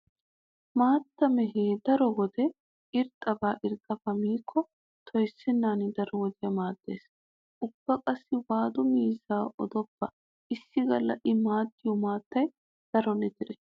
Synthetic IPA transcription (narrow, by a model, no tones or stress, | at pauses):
maːt̪ːɐmɛɦeːd̪ɐɾɔwɔd̪ɛ | ʔɪɾt̪ʼːɐbaːʔɪɾt̪ʼːɐfɐmiːkʰːɔ | t̪ʰɔjsːɪnːaːnɪd̪ɐɾɔwɔd̪ɪjɐmaːd̪̥ːḛːs | ʔʊb̥ːɐkʼɐsːɪwaːd̪ʊmiːzaːʔɔd̪ɔpːɐ | ʔɪsːɪɡɐlːɐʔɪmaːd̪ːɪjɔmaːt̪ːɐj | d̪̥ɐɾɔnɛd̪ɪɾɛ